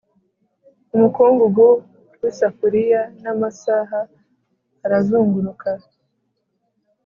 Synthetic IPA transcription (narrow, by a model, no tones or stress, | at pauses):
umukuːŋɡuɡo | wisafuɾijanamasaːɦaː | ɾazuːŋɡuɾukʰa